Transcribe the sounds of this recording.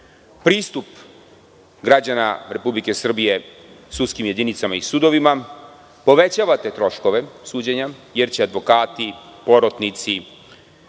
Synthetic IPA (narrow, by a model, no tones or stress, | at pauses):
pɾiːst̪up | ɡɾad͡ʑanaɾe̞publike̞sr̩bije̞sud̪skimje̞d̪init̪samaisud̪o̞ʋima | po̞ʋe̞t͡ɕaːʋat̪e̞t̪ɾo̞ʃko̞ʋe̞suːd͡ʑeɲaje̞ɾt͡ɕead̪ʋo̞kaːt̪ipo̞ɾot̪nit̪si